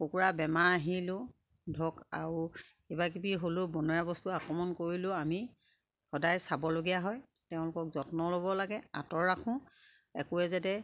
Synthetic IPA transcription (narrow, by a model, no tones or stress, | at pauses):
pokuɹabɛmaːɦilʊ̃ | dʱɔka̰ɹu | ebakibiɦolʊbɔnɔɹabɔstuakɹɔmɔnkoɹilʊami | hɔdajsabɔloɡijaɦɔj | teʊ̃lʊkɔkzɔtnɔlobɔlaɡɛa̰tɔɹɹakʰʊ̃ | ɛkʊɛzatɛ